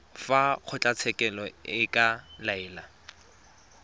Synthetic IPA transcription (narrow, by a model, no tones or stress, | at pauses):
faq͡χʰʊt͡ɬʼat͡sʰɛkʼɛlɔɪkʼalaɪːla